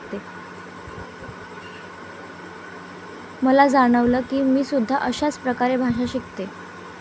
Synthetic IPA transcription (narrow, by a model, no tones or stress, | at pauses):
t̪e | məlad͡zaɽ̃əʋləːkiːmiːsud̪ʱːaʔəɕat͡spɾəkaɾebʱaʂaɕikt̪e